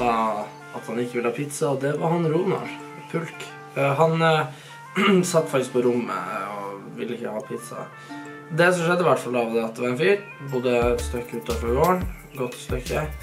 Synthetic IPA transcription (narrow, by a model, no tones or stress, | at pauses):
ɑː | ɑt̪hɑnɪkːəʋɪləhɑːpʰɪt̪sɑɔd̪ɛʋɑɾhɑnɾuːmɑ̰ɾ | pʰʉlk | ɦɑn | sɑt̪ːfɑk̚t̪ɪskpɔɾʊmːə̰ɔʋɪ̰lːəɪçːəhɑːpʰɪt̪sɑ̰ | d̪ɛsɔmʂɛd̪ːəɪʋæʈːfɑlːɑʋd̪ɛɑt̪̚d̪ɛʋɑɾɛnfyːɾ | bʊd̪əst̪œkːəʉːt̪ʰːɑːfɔɾoːəɳ | ɡɔt̪ːst̪œkːə